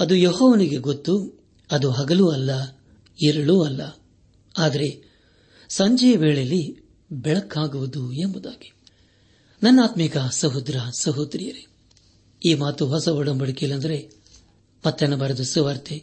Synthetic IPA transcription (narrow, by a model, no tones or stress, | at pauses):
ɐd̪ujoɦɔːʋɐniɡe̞ɡot̪ːu | ɐd̪uɦɐɡɐluɐlːɐ | iɾɐɭuɐlːɐ | aːd̪ɐɾe̞ | sɐɲd͡ʒɛjɐʋeːɭejɐlːi | bɛɭɐkʰːaːɡuʋud̪uembud̪aːɡi̥ | nɐnːaːt̪mikɐsɐɦud̪ɾɐsɐɦut̪ɾijɐɾe̥ | iːmaːt̪uɦɔsɐɔɽɐmbɐɽɐkilːɐnd̪ɐɾe̞ | mɐt̪ːenːɐbɐɾɐd̪usuʋɐɾt̪e